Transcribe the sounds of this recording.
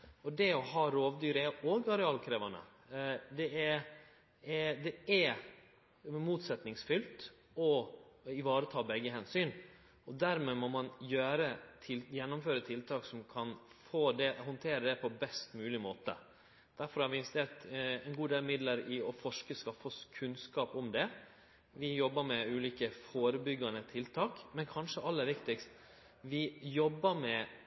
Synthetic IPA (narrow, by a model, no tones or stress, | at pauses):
ɔd̪ɛɔɦɑːɾoːʋd̪yːɾəɛoːɡɑɾɛɑːlkʰɾeːʋɑnə̰ | d̪ɛɛɾ | ɛd̪ɛɛ | muːt̪sɛt̪nɪŋsfʏlt̪ | ɔɪʋɑːɾət̪ʰɑːbɛɡːəɦɛnsyːn | ɔd̪æɾmɛmɔmɑnjøːɾət̪ʰɪljɛnːɔmføːɾət̪ʰɪlt̪ʰɑːksɔmkʰɑnfoːd̪ɛhɔnt̪ʰeːɾəd̪ɛpʰɔbɛst̪mʉːlɪmoːt̪ə̰ | d̪̥æɾfɔɾhɑɾʋɪnʋst̪ʰeːt̪ɛɪnɡuːd̪eːlmɪd̪ləɾɪɔfɔʂkəskɑfɔskʰʉnskɑːpɔmd̪ɛ | ʋɪjɔbːəɾmɛʉːliːkəfoːɾəbʏɡːɑnət̪ʰɪlt̪ʰɑːkmɛnkʰɑnʂəʔɑlːəɾʋɪkt̪ɪkst̪ | ʋɪjɔbːəmɛ